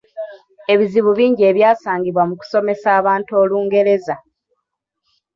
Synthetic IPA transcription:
e̞βiziβuβiːɲɟie̞βjaːsaːŋɡiβwamuku̥so̞me̞saːβaːntuo̞ːluːŋɡe̞ɾe̞za

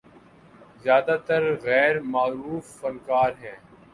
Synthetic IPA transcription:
zjaːd̪at̪əɾɣɛːɾmaːɾuːfːɐnkaːɾɦɛ̃ː

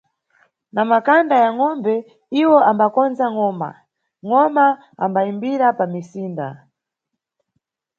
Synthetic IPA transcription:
namakandajaŋɔmbɛ | iwɔambakɔnzaŋɔma̰ | ŋɔma | ambaimbiɾapamisiːnda

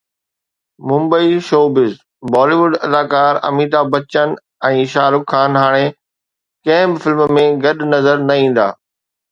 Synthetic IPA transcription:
mʊ̃mbəiʃoːbɪz | bɔːliːʋʊɖɐd̪aːkaːɾɐ̰miːt̪abɐt͡ɕən | ɛ̃ːʃaːɾʊkʰːaːnɦaːɽ̃e | kɐ̃ɦɪ̃bɪfɪlmmẽɡɐɗnɐzəɾnɐĩːn̆d̪a̰ː

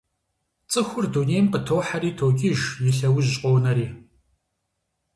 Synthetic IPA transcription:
t͡sʼɨxʷʊrduːnejmpɨtʰoːħaɾiːtʰoːɡʲiʒjɪɬɐwʊʑɕʼqʷʼoːnɐɾiː

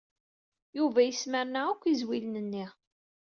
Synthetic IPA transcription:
juvæjəsməɾnaækʷːizwilnənːi

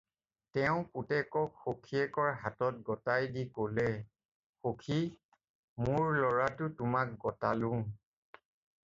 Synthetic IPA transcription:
tɛʊ̃kutɛkɔkxokʰiɛkɔɹɦatɔt̚ɡɔtajdikolɛ | xokʰi | mʊɹlɔɹatʊtʊmak̚ɡɔta̰lʊ̃

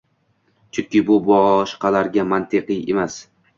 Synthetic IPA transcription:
t͡ʃʰʊŋkʲɪbʊbɒʃqʰɑlaɾɡʲamant̪ʰeqɨjḛmas

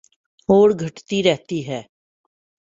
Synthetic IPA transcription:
ɦoːɾɡʱəʈt̪iːɾɛɦt̪iːɦɛː

